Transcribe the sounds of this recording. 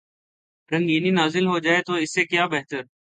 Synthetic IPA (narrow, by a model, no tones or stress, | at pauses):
ɾə̃ŋɡiːniːnaːzɪlɦoːd͡ʒaːeːt̪oːɪsːeːkjaːbɛɦt̪əɾ